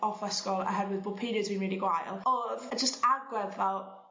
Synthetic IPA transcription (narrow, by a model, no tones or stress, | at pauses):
ʔɔfɛskɔlˠə̰ɦɛɾwɪðbʊlˠpʰiːɾjədzwĩːnɹiːliɡwajlˠɔðəd͡ʒəstarɡwɛðvɛlˠ